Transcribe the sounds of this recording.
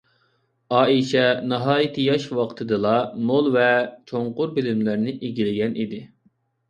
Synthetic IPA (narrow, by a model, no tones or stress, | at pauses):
ɑːiʃɛnɑɦɑːjit̪ʰɨjɑʃwɑqt̪ʰɨd̪ɨlˠɑnolˠvɛt͡ʃʰoɴqʊɾbɪlɪmlæɾnɪʔeɡʲilɪɡʲɛnʔid̪ɪ